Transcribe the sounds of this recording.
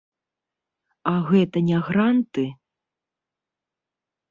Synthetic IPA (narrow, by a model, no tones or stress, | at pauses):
aɣɛt̪ɐnʲaɣɾant̪ɨ